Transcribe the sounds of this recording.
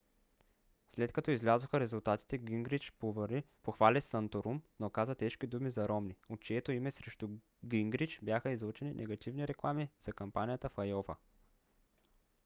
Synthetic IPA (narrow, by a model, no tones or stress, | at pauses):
slɛt̪kɐt̪ɔizlʲazoxəɾɛzulˠt̪at̪i̥t̪ɛɡiŋɡɾit͡ʃpov | poxvalɛsɐnt̪oɾumnokazət̪ɛʃkid̪umizɐɾɔmniot̪̚t͡ʃɛɛt̪oimɛsɾɛʃt̪u | ɡiŋɡɾit͡ʃbjaxəizlˠut͡ʃɛninʔɛ̰ɡɐt̪ivniɾɛklˠamiz̥ɐkɐmpanijət̪əfɐjɔvə